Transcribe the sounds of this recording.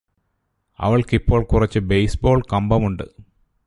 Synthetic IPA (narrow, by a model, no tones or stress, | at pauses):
ɐ̰ʋɐɭkipːo̞ːɭkurɐt͡ɕːɨbejsbo̞ːɭkɐmbɐmuɳɖɨ̰